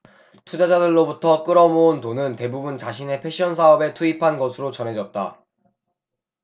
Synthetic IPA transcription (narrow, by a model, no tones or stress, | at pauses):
tʰud͡ʑad͡ʑadɯɭːobutʰʌk͈ɯɾʌmountonɯnte̞bubunt͡ɕaɕʰine̞pʰe̞ɕ͈ʰiʌns̬ʰaʌbe̞tʰuipʰanɡʌsʰɯɾot͡ɕʌnɦe̞d͡ʑʌt̚t͈a̰